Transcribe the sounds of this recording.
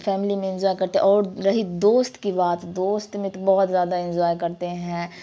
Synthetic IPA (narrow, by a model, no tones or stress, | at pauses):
fɛːmɪlimẽɪ̃nd͡ʒɔːjkɐɾt̪eɛ̰̃ʔɔːɾɾɐɦid̪oːst̪kibaːt̪d̪oːst̪mẽbɔɦʊt̪zjaːd̪aɪ̃nd͡ʒɔːjkɐɾt̪eɦɛ̃ː